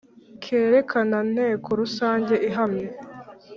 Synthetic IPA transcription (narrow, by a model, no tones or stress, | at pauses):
kʰe̞ːɾe̞kʰanan̥he̞ːkʰoɾusaːɲɟe̞ʔiɦamɲe